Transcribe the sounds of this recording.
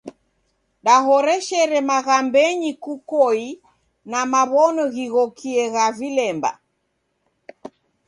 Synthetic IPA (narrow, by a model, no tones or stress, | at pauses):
ɗaɦɔɾɛʃɛɾɛmaɣambɛɲikukɔi | namaβɔnɔɣiɣɔkiɛɣavilɛmba̰